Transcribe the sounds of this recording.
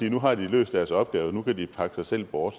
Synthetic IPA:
iːnuɦɑ̈d̥ilø̰ːsd̥æɐsɒ̽b̥ɡ̥ɛːʊnukʰædipʰɑ̈ɡ̥ə̥sɑ̈ɪsel̰b̥ɒːd̥

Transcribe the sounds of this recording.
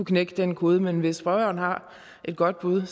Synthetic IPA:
ukʰneɡ̥əd̥enkʰo̝ːð̞ˠəmenʋe̝sfʁɒɒːn̩hɑ̈ | ʔe̝d̥̚ɡ̥ɒ̽d̥̚b̥uðˠ

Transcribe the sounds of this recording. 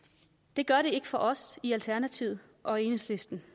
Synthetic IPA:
d̥e̝ɡ̥ɶɐɾe̝e̝ɡ̥əfɒ̽ʔɒ̽siælt͡sʰæɐnæt͡sʰiʊ̰ | ʔɒ̽e̝ːnesle̝sd̥n̩

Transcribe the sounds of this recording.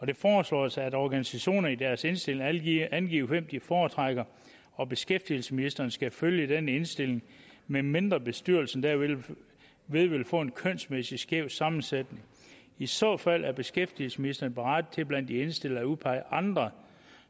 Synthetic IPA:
ɒ̽d̥e̝fɒːslɒ̰ːæsɑædɒːɡ̥ænisæɕo̝̰ːnɐid̥æɐse̝nsd̥e̝le̝ŋænɡ̥ḭʊʋem̰d̥ifɒːt͡sʰʁɑɡ̥ɐ | ɒ̽b̥e̝sɡ̥efd̥ilsəminisd̥ɐnəsɡ̥æføljəd̥enəe̝nsd̥e̝l̰e̝ŋ | meme̝nd̥ʁɐb̥e̝sd̥yɐ̰l̩sn̩d̥æɐ | ʋe̝ðˠʋe̝lfɔ̰̽ːe̝nkʰøn̰smesisɡ̥jeʊ̰sɑ̈mn̩sed̥ne̝ŋ | isɔ̰ːfæl̰ʔæɐb̥e̝sɡ̥efd̥il̩səminisd̥ɐnəpʰeʁɑ̈d̥t͡sʰe̝b̥læn̰d̥ie̝nsd̥e̝l̰ɐæuðˠpʰɑ̈ɪ̰ʔɑ̈nd̥ʁɐ

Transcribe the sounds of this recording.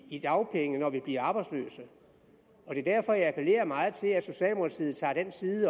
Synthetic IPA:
id̥ɑ̈ʊpʰeŋənɒʋib̥liɐɑ̈ːb̥ɑ̈ɪd̥slø̰ːsə | ɒ̽d̥e̝ɐd̥æɐ̰fɒ̽jɑ̈ɪæpʰəle̝̰ːɐmɑ̈ːð̞̩ˠt͡sʰe̝læ̥so̝ɕɛ̰ːlmult͡sʰið̩ˠt͡sʰɑ̰̈ːd̥ensiːð̩ˠə

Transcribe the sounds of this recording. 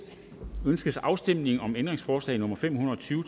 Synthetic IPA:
ønsɡ̥əðsɑ̈ʊsd̥em̰ne̝ŋ̩ɒ̽mend̥ʁeŋsfɒːslɛ̰ɪnɔ̽mɐfem̰hunɐɒ̽t͡sʰyːʊ

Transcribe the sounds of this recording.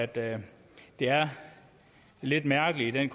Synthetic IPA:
æd̥ | d̥e̝æɐ | le̝d̥mæɐɡ̥əliid̥enkʰ

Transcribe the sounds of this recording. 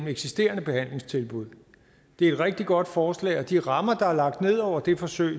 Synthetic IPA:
m̩eɡ̥sisd̥e̝̰ːɐnəb̥e̝hæn̰le̝ŋst͡sʰe̝lb̥uð̰ˠ | d̥e̝æɐe̝d̥ʁɛɡ̥̚d̥iɡ̥ɒ̽d̥fɒːslɛ̰ːɪɒ̽d̥iʁɑ̈mɐd̥ɑ̈æɐlɑ̈ɡ̥̚d̥ne̝ð̞̰ˠɒʊ̰ɐd̥e̝fɒ̽søːɪ

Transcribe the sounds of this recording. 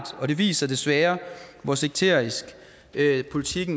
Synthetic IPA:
d̥ɒ̽ɾ̥e̝ʋḭːsɐd̥e̝sʋæːɐʋɒse̝ɡ̥̚t͡sʰe̝ɐ̰isɡ̥ | pʰo̝lit͡sʰiɡ̥n̩

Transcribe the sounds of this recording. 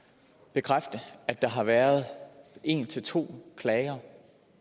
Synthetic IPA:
b̥e̝kʰʁafd̥əæd̥ɑ̈ɦɑ̈ʋæːɐð̞̩ˠe̝̰nt͡sʰe̝lt͡sʰo̝̰ːkʰlɛɪɐ

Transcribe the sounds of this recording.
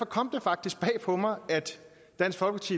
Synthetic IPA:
fɒ̽kʰɒ̽m̰d̥e̝fɑ̈ɡ̥̚d̥isɡ̥̚b̥ɛ̰ːpʰɒ̽mɑ̈ɪæd̥ː | æn̰sɡ̥fɒlɡ̥əpʰɑt͡sʰḭː

